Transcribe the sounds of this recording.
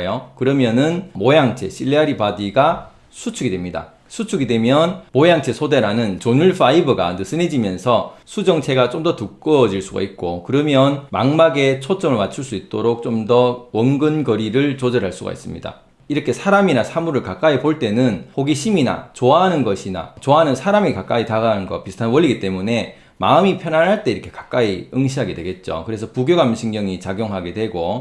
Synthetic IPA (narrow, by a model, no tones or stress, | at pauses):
jokɯɾʌmjʌnɯnmojaŋt͡ɕʰe̞̰ɕʰiʎːeaɾipadiɡa | sʰut͡ɕʰuɡidwe̞mɲida̰ | sʰut͡ɕʰuɡidwe̞mjʌnmojaŋt͡ɕʰe̞sʰode̞ɾanɯnt͡ɕonuɭfʰaibɯɡa̰nɯs͈ʰɯned͡ʑimjʌnsʰʌsʰud͡ʑʌŋt͡ɕʰe̞ɡat͡ɕ͈omdʌtuk̚k͈ʌd͡ʑiɭs͈uɡa̰it̚k͈okɯɾʌmjʌnma̰ŋmaɡe̞t͡ɕʰot͡ɕ͈ʌmɯɭmat͡ɕʰuɭs͈uit̚t͈oɾok̚t͡ɕ͈omdʌwʌŋɡɯnɡʌɾiɾɯɭt͡ɕod͡ʑʌɾɦaɭs͈uɡa̰ḭs͈ɯmɲḭda̰ | iɾʌkʰe̞sʰaɾaminasʰamuɾɯɭkak͈aipoɭt͈e̞nɯnhoɡiɕʰimina̰t͡ɕoaɦanɯnɡʌɕʰina̰t͡ɕoaɦanɯnsʰaɾamikak͈aitaɡanɯnɡʌpisʰɯ̥tʰannwʌʎːiɡit͈e̞mune̞ | maɯmipʰjʌnanɦaɭt͈e̞iɾʌkʰe̞̥kḁk͈aiɯŋɕʰiɦaɡe̞dwe̞ɡe̞t̚t͡ɕ͈o̰kɯɾe̞sʰʌpuɡjoɡamɕʰiŋɲʌŋit͡ɕaɡjoŋɦaɡe̞dwe̞ɡo